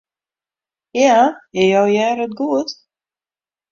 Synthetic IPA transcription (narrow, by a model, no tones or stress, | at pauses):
jaɪjawjɛːɾət̪̚ɡuət̪